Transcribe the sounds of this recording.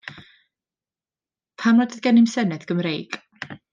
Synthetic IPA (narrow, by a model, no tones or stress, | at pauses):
pʰamnɔdəðɡɛnɪmsɛnɛðɡ̥əmrejɡ